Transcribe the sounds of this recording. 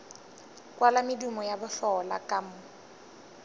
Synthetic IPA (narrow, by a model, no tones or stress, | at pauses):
kwalamɪdumɔjabʊɬɔla̰kʼamʊ